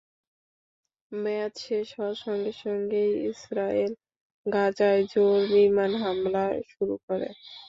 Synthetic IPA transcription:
mɛt̪ʃeʃɔwaʃɔŋɡeʃɔŋɡejisɾael | ɡad͡ʑaed͡ʑoɾbiɾmanɦamlaʃuɾukɔɾḛ

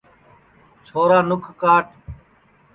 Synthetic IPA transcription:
t͡ʃʰoːɾaːnʊkʰkaːʈ

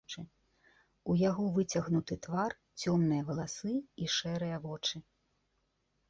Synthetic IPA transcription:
t͡ʂɨ | ujaɣɔvɨt͡sʲɐɣnut̪ɨt̪var | t͡sʲɔmnɨjɐvɐlˠasɨiʂɛɾɨjɐvɔt͡ʂɨ

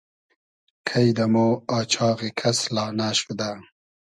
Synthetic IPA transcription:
kʰajd̪amoːɑːt͡ʃʰɑːɣekʰaslɑːnaːʃud̪a

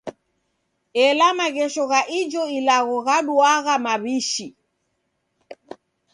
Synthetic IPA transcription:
ɛlamaɣɛʃɔɣaʔid͡ʒɔilaɣɔɣaɗuaɣamaβiʃi

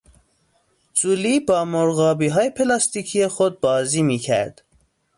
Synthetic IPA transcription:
zuliːbɒːmoɾɣɒːbiːɦɒːjepʰelɒːst̪iːcʰijexod̪̚bɒːziːmiːcʰæ̰ɾd̪̥

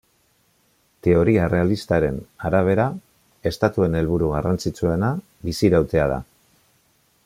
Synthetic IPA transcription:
t̪e̞o̞ɾiaere̞alist̪aɾe̞naɾaβ̞e̞ɾa | e̞st̪at̪ue̞ne̞lβuɾuɣ̞arant͡sit͡sue̞na | βisiɾawt̪e̞að̞a̰

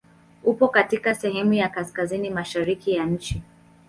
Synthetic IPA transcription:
upɔkatikasɛhɛmujakaskazinimaʃaɾikijaɲ̩t͡ʃi

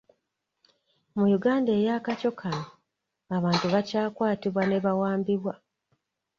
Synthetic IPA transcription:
mujuɡaːnde̞jaːkaco̞kʰano | aβaːntuβacaːkwaːtiβwane̞βawaːmbiβwa

